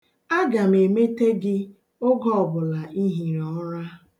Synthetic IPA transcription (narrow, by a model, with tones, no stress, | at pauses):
a˦ɡa˨m˨e˨me˦te˦ɡɪ˦ | ʊ˦ɡɔ˦ɔ˨bʊ˨la˨ʔi˦ɦi˨ɾɔ˦ɾa˦